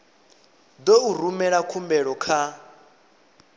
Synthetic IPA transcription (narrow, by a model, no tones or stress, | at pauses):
d̪ouɾumɛɺakʰumbɛɺɔkʰa